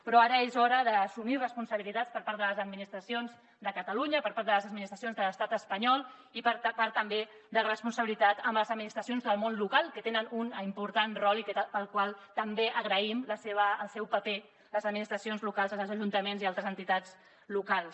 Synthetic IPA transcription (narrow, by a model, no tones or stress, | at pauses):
pɾɔaɾəezɔɾəðəːsumirəspunsəβilit̪at͡spəɾpaɾt̪d̪ələzəd̪minist̪ɾəsionz | d̪əkət̪əluɲəpəɾpaɾt̪d̪ələzəd̪̚minist̪ɾəs̬ionzðələst̪at̪əspəɲɔlˠippaɾt̪əmbe | d̪ərəspunsəβilit̪at̪əmbləzəd̪minist̪ɾəsionzðəlˠmonlukalˠkət̪enənunimpuɾt̪anrɔlik̪pəlˠkwalˠt̪əmbeʔəɣɾəimləseβəːlˠsɛwpəpe | ləzəd̪minist̪ɾəsionzlukalˠzəəlˠzəʒunt̪əmenzialˠt̪ɾəzənt̪it̪ad͡z | lukalˠs